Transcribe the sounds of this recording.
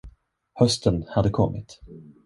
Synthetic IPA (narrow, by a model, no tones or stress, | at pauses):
hœst̪ənhad̪ːəkʰɔmːɪt̪